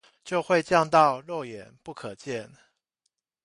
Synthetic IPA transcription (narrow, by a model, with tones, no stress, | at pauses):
t͡ɕjo˥˧ʊxwe˥˧ɪt͡ɕjɑ˥˧ŋt̪ɑ˥˧ʊlwɔ˥˩jɛ˨˩˦npu˥˩kʰɤ˨˩t͡ɕjɛ˥˨n